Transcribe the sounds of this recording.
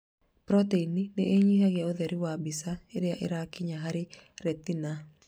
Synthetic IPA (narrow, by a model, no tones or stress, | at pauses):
pɾɔteinineʔeɲiɦaɣjaoðɛɾɪwabɪsaeɾɪaʔɪ̰ɾakɪɲaɦaɾɪɾɛt̪ina